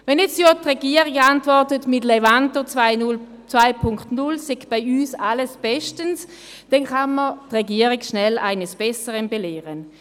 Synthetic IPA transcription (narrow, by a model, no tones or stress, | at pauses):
vɛnɛt͡sjotʁɛɡiɐʁɪɡantvɔtətmɪtlevantot͡sɪʊl | t͡sʋaɪpʰʊŋktnʊlsɛkb̥aɪyːsaləsb̥ɛʃtəns | d̥ɛnkanmətʁeɡiɐʁiɡʃnɛlʔa̰ɪnəsb̥ɛsəʁənbeleːʁən